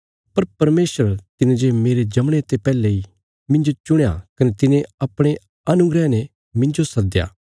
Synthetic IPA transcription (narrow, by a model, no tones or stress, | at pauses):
pɐɾpɐɾmeːsəɾt̪ɪnẽd͡ʒemeːɾed͡ʒɐmɽ̃et̪epɛːlei | mɪ̃ɲd͡ʒot͡ʃʊɽ̃ja̰kɐnet̪ɪnẽɐpɽ̃e | ɐnʊɡɾɛnɛ | mɪ̃nd͡ʒosɐd̪ja̰ː